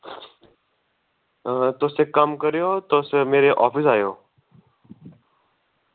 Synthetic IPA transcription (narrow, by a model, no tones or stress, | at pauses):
t̪oːsekəmkəɾijot̪oːsmeːɾeʔɔːfɪs̬aːjoː